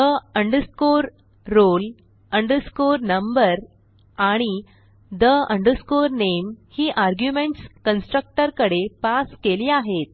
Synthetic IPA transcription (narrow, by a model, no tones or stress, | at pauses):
əəɳɖəskoɾː | ol | əɳɖəskoɾnəmbəɾ | aɽ̃i | d̪əəɳɖəskoɾnemhiːʔaɾɡjumeɳʈskənsʈɾək̚ʈəɾkəɽepaskeliːaɦet̪̚